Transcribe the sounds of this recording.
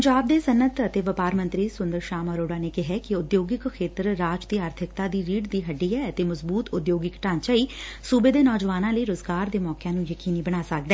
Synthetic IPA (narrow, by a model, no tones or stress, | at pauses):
ɲd͡ʒaːb̚d̪eːsənət̪ət̪eːʋəpaːɾmə̃nt̪ɾiːsʊnd̪əɾʃaːməɾoːɖaːneːkɪɦɛːkɪʊd̪joːɡɪkkʰːeːt̪ɾɾaːd͡ʒd̪iːaːɾt̪ʰɪkt̪aːd̪iːɾiːɖd̪iːɦəɖːiːɛːət̪eːməzbuːt̪ʊd̪joːɡɪkʈãːɲt͡ʃaiːsuːbeːd̪eːnɔːd͡ʒʋaːnãːləiːɾʊzɡaːɾd̪eːmɔːkjãːnũːjəkiːniːbəɽ̃aːsək̚d̪ɛː